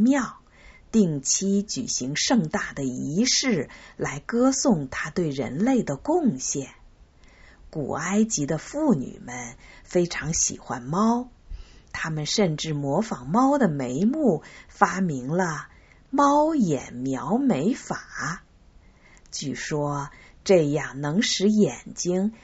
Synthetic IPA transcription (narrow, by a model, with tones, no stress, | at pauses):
mjɑ˥˩˧ʊ | t̪i˥˩ŋt͡ɕʰi˥t͡ɕy̰˨˩ɕi˧˥ŋʂɤ˥˧ŋt̪a˥˩d̪ə˩i˧˥ʂɻ̩˥˩la˧˥ɪkɤ˥sʊ˥˩ŋt̪ʰa˥t̪we˥˩ɪɻə̰˧˥nle˥˩ɪd̪ə˩kʊ˥˧ŋɕjɛ˥˩n | kṵ˨˩a˥ɪt͡ɕi˧˥d̪ə˧fu˥˩ny̰˨˩mə˦nfe˥ɪʈ͡ʂʰɑ˧˥ŋɕḭ˨˩xwa̰˥nmɑ˥ʊt̪ʰa˥mə˨nʂə˥˧nʈ͡ʂɻ̩˥˩mwɔ˧˥fɑ˨˩ŋmɑ˥ʊd̪ə˨me˧˥ɪmu˥˩fa˥mi˧˥ŋlə˧ | mɑ˥ʊjɛ˨˩nmjɑ˧˥ʊme˧˥ɪfa˨˩ | t͡ɕy˥˩ʂwɔ˥ | ʈ͡ʂɤ˥˧jɑ˥˩ŋnɤ˧˥ŋʂɻ̩˧˥jɛ˨˩nt͡ɕi˥ŋ